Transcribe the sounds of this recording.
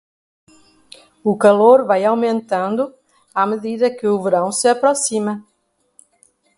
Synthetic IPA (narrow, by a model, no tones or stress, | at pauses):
ʊkaloɾvajawmẽnt̪ɐ̃nd̪ʊ | ameðiðɐkɪʊveɾɐ̃w̃sɪapɾosimɐ